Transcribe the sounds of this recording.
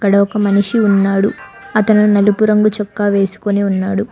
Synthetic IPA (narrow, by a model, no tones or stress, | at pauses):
ɐkːɐɽɐɔkɐmɐniʂiunːaːɽuɐt̪ɐnunɐlupuɾɐŋɡut͡ʃɔkːaːʋe̞ːsu̥koniunːaːɽu